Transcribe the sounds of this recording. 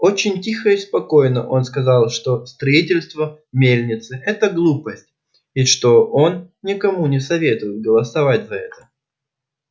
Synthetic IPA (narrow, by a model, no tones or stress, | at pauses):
o̞t͡ɕɪnʲtʲixəɪspɐko̞jnəʔo̞nskɐzɑlˠʂt̪o̞st̪ɾɐitʲɪlʲst̪və | mʲelʲnʲɪt̪sɨʔɛt̪əɡlˠupəsʲtʲ | ɪʂt̪o̞o̞nnʲɪkɐmunʲɪsɐvʲe̞t̪ʊjɪt̪̚ɡəlˠəsɐvatʲzɐɛt̪ə̥